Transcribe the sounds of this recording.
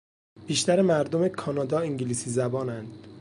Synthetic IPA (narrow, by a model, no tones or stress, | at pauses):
b̥iːʃt̪ʰæɾemæɾd̪omekʰɒːnɒːd̪ɒːiŋɟiliːsiːzæbɒːnænd̪̥